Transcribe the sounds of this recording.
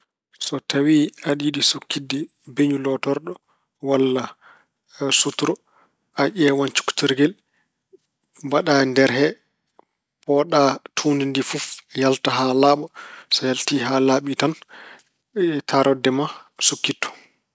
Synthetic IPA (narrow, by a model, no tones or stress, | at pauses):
sɔtawiaɗiɗisukːidːi | beɲulɔtɔɾɗɔ | walːa | sutuɾɔ | aʔɛwant͡ʃu̥ku̥tiɾɡɛl | baɗandɛɾɦɛ | pɔɗatʰundindifufjaltaɦalaːɓɔsɔjaltiːɦalaɓitan | tʰaɾɔdːɛmasukːitːɔ̥